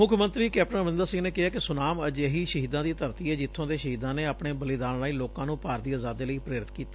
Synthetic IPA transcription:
mʊkʰmə̃nt̪ɾiːkɛːp̚ʈənəʋɪ̃nd̪əɾsɪ̃ŋneːkɪɦaːkɪsʊnaːməd͡ʒeɦiːʃəɦiːd̪ãːd̪iːt̪əɾt̪iːɛːd͡ʒɪt̪ʰːõːd̪eːʃəɦiːd̪ãːneːapɳeːbəlid̪aːnlaːiːloːkãːnũːpaːɾd̪iːaːzaːd̪ːeːləiːpɾeːɾɪt̪kiːt̪ḁː

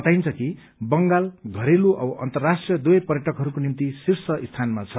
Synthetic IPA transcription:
ʌt̪ajnt͡sʰʌki | bʌŋɡalɡʱʌɾeluʔʌbʌʔʌ̰nt̪ʌrːasʈrijʌd̪ujpʌrjʌʈʌkɦʌɾukonint̪isirsʌʔist̪ʰanmat͡sʰʌ

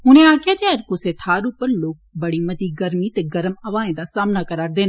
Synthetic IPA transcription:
ɦʊnẽaːkʰjad͡ʑeɐɾkoseːt̪ʰaːɾupəɾloːk̚bɐɽimɐt̪iɡɐɾmit̪eɡɐɾəmɐʋaːẽd̪asaːmnakɐɾaːɾd̪eːn

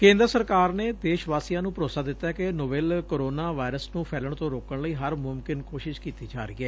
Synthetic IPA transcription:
kẽːnd̪əɾəsəɾkaːɾneːd̪eːʃʋaːsijãːnũːpɾoːsaːd̪ɪt̪ːaːɛkɪnobeːlkoːɾoːnaːʋaːɪɾəsnũːpʰɛːləɳt̪õːɾoːkəɳləiːɦəɾmʊmkɪnkoːʃɪʃkiːt̪iːd͡ʒaːɾəḭːɛː

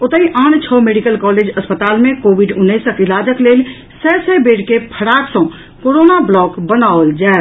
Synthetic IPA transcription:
ot̪əɦiʔant͡ʃʰɔmeɖikəlkɔled͡ʒəspət̪almẽkobʱiɖunːəsəkilad͡ʒəklel | sɛsəbeɽkepʰəɽaksə̃ | koɾonablɔkbənaold͡ʒae

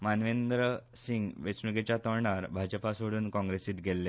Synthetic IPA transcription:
manʋend̪ɾəsiŋɡʋet͡snuɡet͡ɕjat̪əɭɳaɾbʱad͡ʑəpasoɽuːnkɔ̃ŋɡɾesiːt̪ɡʱelːe

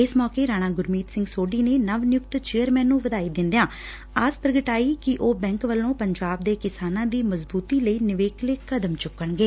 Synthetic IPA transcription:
ɪsmɔːkeːɾaːɽ̃ãːɡʊɾmiːt̪sɪ̃ŋɡsoːɖiːneːnəʋnɪjʊkt̪t͡ʃeːəɾmɛːnːũːʋəd̪aːiːd̪ɪ̃nd̪jãː | aːspɾəɡəʈaːiːkɪʔoːbɛ̃ːŋkʋəlːõːpəɲd͡ʒaːb̚d̪eːkɪsaːnãːd̪iːməzbuːt̪iːləiːnɪʋeːkleːkəd̪əmt͡ʃʊkːəɳɡeː

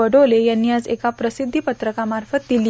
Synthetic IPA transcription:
əɽolejanːiːad͡zekapɾəsid̪ʱːipət̪ɾəkamaɾfət̪̚d̪ili

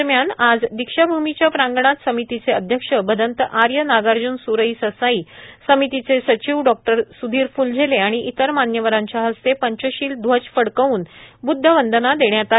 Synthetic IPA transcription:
ɾmjanad͡zd̪ikʂəbʱumit͡ɕjapɾãŋɡəɳ̃at̪səmit̪it͡seəd̪ʱjəkʂəbəd̪ənt̪əʔaɾjənaɡaɾd͡ʑuːnsuɾəisəsaiːsəmit̪it͡sesət͡ɕiʋɖɔk̚ʈəɾsud̪ʱiːɾfuːld͡zʱeleaɽ̃iʔit̪əɾmanjəʋəɾaɲt͡ɕjaɦəst̪epəɲt͡ɕəɕiːld̪ʱʋət͡ɕfəɽkəuːnbud̪ʱːəʋənd̪ənad̪eɳjat̪a

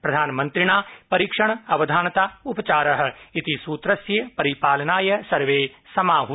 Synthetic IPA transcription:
pɾɐd̪ʱaːnmɐ̃nt̪ɾɪɽ̃aːpɐɾiːkʃɐɳ̃ɐʋɐd̪ʱaːnt̪aːʊpɐt͡ʃaːɾɐɦ̆ɪt̪isuːt̪ɾɐsjəpɐɾipaːlɐnaːjɐsɐɾʋeːsɐmaːɦu

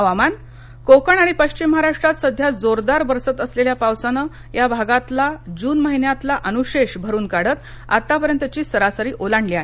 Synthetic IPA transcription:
əʋaman | kokəɳaɽ̃ipəɕt͡ɕiməɾaʂʈɾat̪səd̪ʱjad͡zoɾd̪aɾbəɾsət̪əsleljapawsənə | jabʱaɡat̪lad͡ʑuːnməɦinjat̪laʔənuɕeɕbʱəɾuːnkaɽət̪ | a̰t̪ːapəɾjənt̪ət͡ɕiːsəɾasəɾiːʔolaɳliaɦe

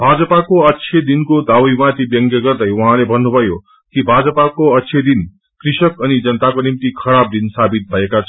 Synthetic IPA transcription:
bʱad͡zʌpakoʌtːsʰed̪inkod̪awjmãt̪ʰibjʌŋɡjʌɡʌrd̪ʌjuɦãlebʱʌnːubʱʌjo | kibʱad͡zʌpakoʌtːsʰjed̪in | krisʌkʌnid͡zʌnt̪akonimt̪ikʰʌɾab̚d̪insabit̪̚bʱʌekat͡sʰʌ

